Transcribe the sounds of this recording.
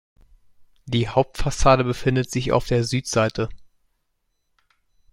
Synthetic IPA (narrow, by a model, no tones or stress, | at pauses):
d̥iːɦaʊp̚tfasaːdəbəfɪndətz̥ɪça̰ʊfd̥eːɐzyːtz̥aɪtʰə